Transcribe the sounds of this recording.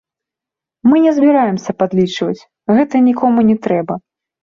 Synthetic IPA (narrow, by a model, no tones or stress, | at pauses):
mɨnʲɛzʲbʲiɾajɛmsʲɐpad̪lʲit͡ʂvɐt͡sʲ | ɣɛt̪ɐnʲikɔmunʲɛt̪ɾɛbɐ